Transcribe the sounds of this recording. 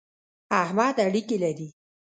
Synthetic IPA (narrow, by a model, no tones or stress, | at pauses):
ahmad̪aɽikelaɾi